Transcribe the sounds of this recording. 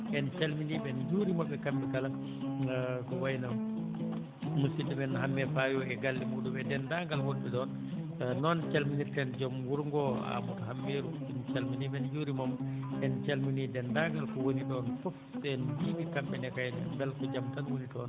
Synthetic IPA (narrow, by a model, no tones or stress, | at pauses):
ʔɛnt͡ʃalminiɓɛnd͡ʒuːɾimɔɓɛkambɛkala | kɔwajna | musidimɛnhamːɛfajɔɛɡalːimuɗumbɛdɛndaŋɡalwoɗːɛɗɔn | nɔnt͡ʃalminiɾtɛnd͡ʒɔmwuɾŋɡɔa̰muthamːeɾu | int͡ʃalminiɓɛnd͡ʒuːɾimɔmʔɛnt͡ʃalminidɛndaŋɡalkɔwoniɗɔnfɔfɛnbimikamɓɛnɛkajɛnɛ̰bɛlkɔd͡ʒamtanwonitɔn